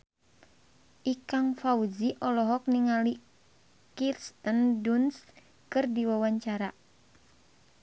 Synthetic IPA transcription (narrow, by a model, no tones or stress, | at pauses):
ʔikaŋfauziʔɔlɔɦɔk̚niŋali | kirst̪ənduns | kɨrdiwawaɲt͡ʃaɾa